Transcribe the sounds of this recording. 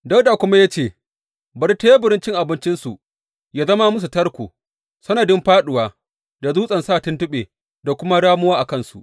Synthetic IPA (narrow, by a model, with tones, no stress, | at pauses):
da˦wda˨kʷʊ˦ma˦ja˦t͡ʃeː˦˨ | bɐ˨ɾta˦ja˦bɪ˨ɾɪ˦nt͡ʃɪ˦ŋʔa˨bɪ˦nt͡ʃɪ˦nsu˨ | jaː˦zɐ˦ma˦mʊ˦s̬u˨tɐ˦rkʷuː˨ | sɐ˦nɐ˨dɪ˦mɸaː˦ɗʊ˨waː˦ | da˨zuː˦sʼɐ˨nsaː˦˨tɪ˦ntʊ˦ɓeː˨ | da˨kʷʊ˦ma˦ɽaː˦mʊ˦waː˦ʔa˨kɐ˦˨nsṵ˨ʔ